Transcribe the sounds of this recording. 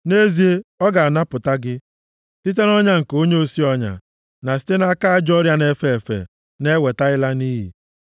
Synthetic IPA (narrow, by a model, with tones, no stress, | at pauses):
ne˦zi˨e˦ɔ˦ɡa˨a˨na˦pʊ˨ta˦ɡɪ˦ | ti˦t̬e˦n˦ɔ˦ɲa˦ŋ̩˨ko˦ɲe˦o˦si˦ɔ˦ɲa̰˨ | na˨si̥˦te˦na˦ka˦a˦˨d͡ʒɔ˦ɾja˦ne˦fe˨e˨fḛ˨ | ne˦we˨ta˦ɪ˦la˦niː˦ɦḭ˨